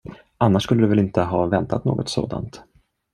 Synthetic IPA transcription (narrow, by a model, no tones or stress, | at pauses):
ʔanːaʂkɵlːəd̪ɵvɛlɪnt̪əɦɑːvɛnt̪ʰat̪no̰ːɡɔt̪so̰ːd̪a̰nt̪